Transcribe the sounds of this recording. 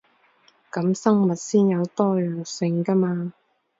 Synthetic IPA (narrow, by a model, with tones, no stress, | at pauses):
kɐ˨˥msɐ˥ŋmɐ˨t̚siː˥njɐ˨˧wt̪ɔː˥jœː˨˩ŋsɪ˧ŋkɐ˥maː˧